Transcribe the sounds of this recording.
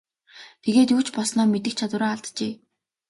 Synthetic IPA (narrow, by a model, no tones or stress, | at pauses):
t̪ʰeɣeːt̪uːt͡ɕpɔɮsnɔːmet̪ɘ̆k̚t͡ɕʰat̪wʊ̆ɾaːaɮt̪t͡ɕeː